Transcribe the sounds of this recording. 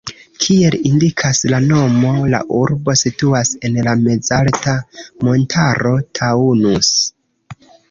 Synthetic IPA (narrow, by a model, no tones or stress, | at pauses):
kʰie̞lindikʰaslano̞mo̞la̰ʔuɾbo̞situase̞nlame̞d͡zaltamo̞ntʰaɾo̞tʰaunus